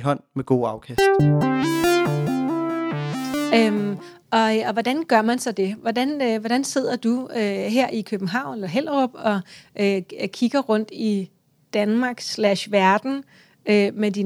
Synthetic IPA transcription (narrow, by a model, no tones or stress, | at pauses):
ɦɒ̽n̰meɡ̥o̝ːɑ̈ʊkʰæsd̥ | øm | ʔɒ̽ɒ̽ʋɒd̥ænɡ̥ɶɐmænsɒ̽d̥e̝ʋɒd̥ænøʋɒd̥ænse̝ð̞̰ˠɐd̥uøɦeɐ̰ʔikʰøb̥n̩ɦɑ̈ʊ̰nelɐɦel̰ʁɔb̥ɒ̽ʔøkʰiɡ̥ɐʁɔ̽n̰d̥i | d̥ænmɑ̈ːɡ̥slæɕʋæɐd̥n̩ | ømed̥i